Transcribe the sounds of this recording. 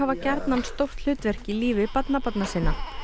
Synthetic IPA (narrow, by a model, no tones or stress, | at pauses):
avacɛɾt̪nanst̪owr̥t̪l̥ʏːt̪vɛr̥cɪliːvɪpat̪napɔt̪nasɪːnːa